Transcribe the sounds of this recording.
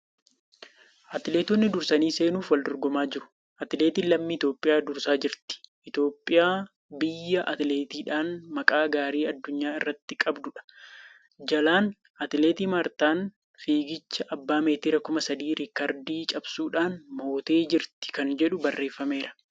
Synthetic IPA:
ʔɐt̪ɪleːt̪ɔnːɪd̪ʊɾsɐniːse̞ːnuːfwɐld̪ɔɾɡɔmaːd͡ʒɪɾʊ̥ | ʔɐt̪le̞ːt̪iːlɐmːiɪt̪jo̞ːpʼːɪjaːd̪ʊɾsaːd͡ʒɪɾt̪ɪ̥ʔɪt̪o̞ːpʼːɪjaː | bɪjːɐʔɐt̪ɪle̞ːt̪iːᶑaːnmɐkʼaːɡaːɾiːɐd̪ːʊɲːaːɪrːɐt̪ːɪkʼɐbd̪ʊᶑɐ̥ | d͡ʒɐlaːn | ʔɐt̪ɪleːt̪iːmɐɾt̪aːn | fiːɡɪt͡ʃːɐʔɐbːaːmeːt̪ɪɾɐkʊmɐsɐd̪iːɾɪkːɐɾd̪iːt͡ʃʼɐbsuːᶑaːnmo̞ːt̪e̞ːd͡ʒɪɾt̪ɪ̥kɐnd͡ʒɛᶑʊbɐrːeːfːɐme̞ːɾɐ̥

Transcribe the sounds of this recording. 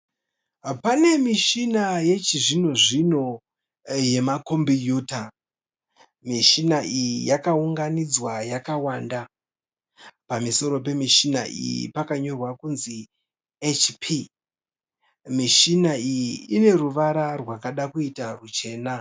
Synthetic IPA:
pane̞miʃinaje̞t͡ʃiʐino̞ʐino̞ | je̞mako̞mbijuːta | miʃinaʔijijakauŋɡanid͡zwajakawaːnda | pamiso̞ɾo̞p̬e̞miʃinaʔḭjḭpakaɲo̞rwakunzi | et͡ʃpʰi | miʃinaijiːne̞ruʋaɾarwakaɗakuitarut͡ʃe̞ːna

